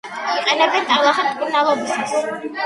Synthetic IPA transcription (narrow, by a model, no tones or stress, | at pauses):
iqʼɛnɛbɛnt̪ʼalˠaχɛt̪ʼkʼuɾnalˠɔbiss